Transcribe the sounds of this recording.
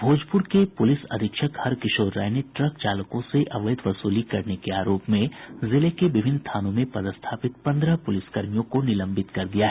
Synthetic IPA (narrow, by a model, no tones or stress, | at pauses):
bʱoːd͡ʒpʊɾkepʊlɪsɐ̰d̪ʱɪkʃəkhɐɾkɪʃoːɾːa̰ːjneʈɾəkt͡ʃaːlkõseʔɐʋəjɪd̪ʋɐsuːlikɐɾnekeaːɾoːpmẽzɪlekeʋɪbʱɪnst̪ʰaːnõmẽpɐd̪əst̪ʰaːpɪt̪̚pɐ̃nd̪ɾəpʊlɪskɐɾmijõkonɪlə̃mbʱɪt̪kɐɾd̪ijaɦɛ